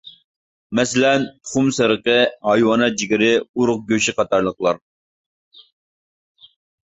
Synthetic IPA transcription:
mɛsɪlɛnt̪ʰʊ̥χʊmsɨɾəqəɦɑjwɑnɑd͡ʒiɡʲɪɾɪuɾʊq̚ɡʲøʃɪqɑt̪ɑɾlˠəχlˠɑɾ

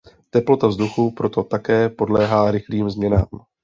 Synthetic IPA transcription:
t̪ɛplo̞t̪avzduxupɾo̞t̪o̞t̪akɛːpo̞dlɛːɦaːɾɪxliːmzmɲɛna̰ːm

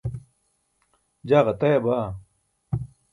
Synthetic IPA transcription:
d͡ʑaːʁɐt̪ɐjɐbaː

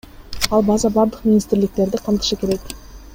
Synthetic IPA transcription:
ɑlˠbɑzɑbɑɾd̪əqmʲinist̪ɪɾlɪk̚t̪e̞ɾd̪ɪqʰəmt̪ə̥ʃəkʲʰe̞ɾe̞k̪

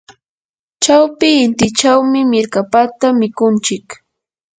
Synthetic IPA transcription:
t͡ʃawpɪːnt̪ɪt͡ʃawmɪmɪɾkapat̪amɪkʊnt͡ʃɪk

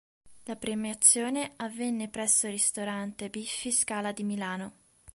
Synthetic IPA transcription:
lapɾemat̪sːjoːneavːɛnːepɾɛsːorist̪oɾant̪ebifːiskaːlad̪imilaːno

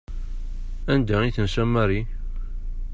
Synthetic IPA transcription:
ænd̪æiθənsæmːæɾi

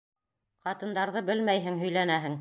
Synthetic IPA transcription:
qɑt̪ɤ̆nd̪ɑɾðɤbɘlmæjɦɘŋɦɵ̆jlænæɦɘŋ

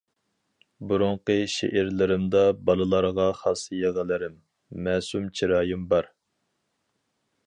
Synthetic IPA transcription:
buɾʊɴqəʃḛʔɪɾlɪɾɪmd̪ɑbɑlˠɨlˠɑɾʁɑχɑsjeʁəlˠɪɾɪmː | ɛːsumt͡ʃʰiɾɑːjimbɑɾ

